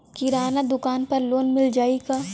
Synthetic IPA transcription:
kɪɾaːnad̪ʊkaːnpɐɾloːnmɪld͡ʒaːiɡaː

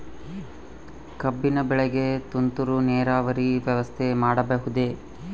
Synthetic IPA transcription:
kɐbːinɐbɛɭeɡe̞t̪unt̪uɾunɛːɾaːʋɐɾiʋjɐʋɐst̪ʰemaːɽɐbɐɦud̪e̞

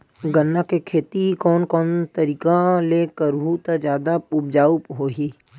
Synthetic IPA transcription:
ɡənːakekʰeːt̪ikɔːnkɔːnt̪ɐɾiːkaleːkəɾɦut̪ad͡ʒjaːd̪aʊbd͡ʒaːʊpɦoːɦiː

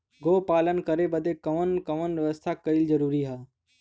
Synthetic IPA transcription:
ɡoːpaːlənkəɾebəd̪ʱekɐʋənkəʋənʋəʋəst̪ʰakəild͡ʒəɾuːɾiɦaː

